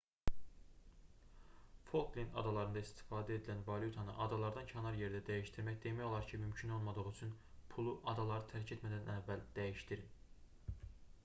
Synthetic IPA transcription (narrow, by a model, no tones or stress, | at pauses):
fo̞lˠklinɑ̰d̪ɑlˠɑɾɯnd̪ɑist̪i̥fɑːd̪æe̞d̪ilænvɑlˠjut̪ʰɑnɯ̰ʔɑd̪ɑlˠɑɾd̪ɑncʰɑnɑɾje̞ɾd̪æd̪æjiʃt̪iɾmæçd̪e̞mæjo̞lˠɑɾcʰimymcʰyno̞lˠmɑd̪ɯʁyt͡ʃʰyn | pʰulˠuʔɑd̪ɑlˠɑɾɯt̪ʰæɾcʰe̞t̪mæd̪ænævːæld̪̥æjiʃt̪iɾin